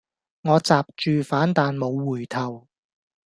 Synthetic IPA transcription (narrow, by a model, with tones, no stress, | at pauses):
ŋɔː˨˧t͡saː˨p̚t͡ʃyː˨faː˨˥nt̪aː˨nmo˨˧wːuː˨˩jt̪ʰɐ˨˩w